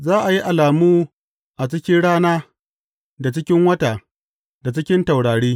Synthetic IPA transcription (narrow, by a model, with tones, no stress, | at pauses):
zaː˦ʔa˨ji˦ʔa˨laː˨muː˦ | ʔa˨t͡ʃɪ˦kʲɪ˦nɽaː˦naː˦ | da˨t͡ʃɪ˦kʲɪ˦ŋwɐ˦ta˨ | da˨t͡ʃɪ˦kʲɪ˦nta˨wɽaː˨ɽiː˦